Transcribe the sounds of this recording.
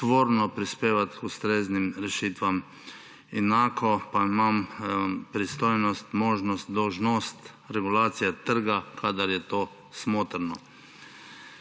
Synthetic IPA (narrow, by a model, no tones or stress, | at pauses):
t̪ʋoːɾnɔpɾispeːʋat̪kust̪ɾeːznimɾɛʃiːt̪ʋam | ɛnaːkʰɔpaimampɾist̪ojnɔst̪moːʒnɔst̪d̪ɔwʒnɔst̪ | ɾɛɡulaːt̪sijɛt̪əɾɡakʰad̪aɾjɛt̪oː | smoːt̪ɾnɔ